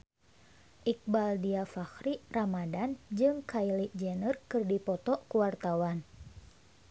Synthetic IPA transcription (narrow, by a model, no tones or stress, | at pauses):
ʔik̚baldiafaxɾiramadand͡ʒɨŋkailiʔd͡ʒɛnərkɨrdipɔt̪ɔʔkuwart̪awan